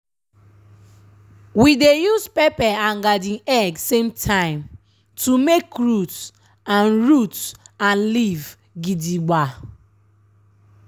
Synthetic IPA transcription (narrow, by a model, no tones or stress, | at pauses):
widejuspepɛãŋ̩ɡadiŋɛɡsemtʰãɪ̃m | tumekɾut | anɾutan̩liv | ɡidiɡ͡ba